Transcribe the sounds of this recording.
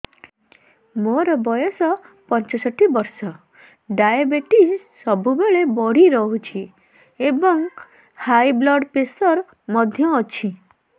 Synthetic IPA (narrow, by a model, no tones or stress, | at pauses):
moɾɔbɔjɔsɔpɔnt͡ʃɔsɔʈʰːibɔɾsɔ | ɖajabeʈis | sɔbubeɭebɔɽ̤iɾɔɦut͡ʃʰi | ebɔŋ | hajblɔɖpesɔɾ | mɔd̪ʱjɔːt͡ʃʰi